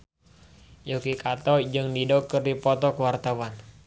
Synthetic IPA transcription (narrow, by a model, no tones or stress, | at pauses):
jokikat̪ɔd͡ʒɨŋdidɔkərdipɔt̪ɔkəwart̪awan